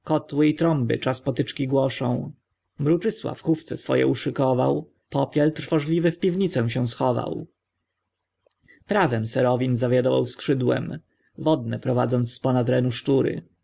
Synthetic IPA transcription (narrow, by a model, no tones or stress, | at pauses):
kɔt̪wɘit̪ɾɔmbɘ̰t͡ʂaspɔt̪ɘt͡ʂkʲiɡwɔʂɔ̰̃w̃ | mɾut͡ʂɘswa̰fxuft̪sɛsfɔ̰jɛ̰uʂɘkɔva̰w | pɔpʲjɛlt̪ɾfɔʐlʲivɘfpʲivɲit̪sɛw̃ɕɛw̃sxɔva̰w | pɾavɛmsɛɾɔvʲinzavʲjad̪ɔva̰wskʂɘd̪wɛ̰m | vɔd̪̚nɛpɾɔva̰d̪zɔnt̪sspɔnat̪ɾɛnuʂt͡ʂuɾɘ̰